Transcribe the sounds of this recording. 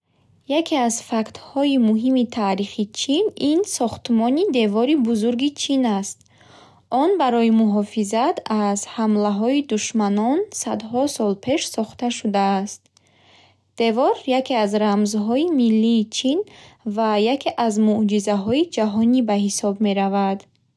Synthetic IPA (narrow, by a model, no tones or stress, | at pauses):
jakʰeazfakt̪hɔimuɦimit̪ʰaːɾiχit͡ʃʰininsɔχt̪mɔnid̪e̞vɔɾibuzuɾɡit͡ʃʰinast̪̚ | ɔnbaɾɔimuɦɔfizat̪ʰazhamlaɦɔid̪uʃmanɔnsad̪hɔsɔlpʰe̞ʃsɔχt̪aʃud̪aːst̪ | d̪̥e̞vɔɾjakʰeazɾamzɦɔimilːiːt͡ʃʰinvajakʰe̞ʔazmud͡ʒizaɦɔid͡ʒaɦɔnibaɦisɔbme̞ɾavad̪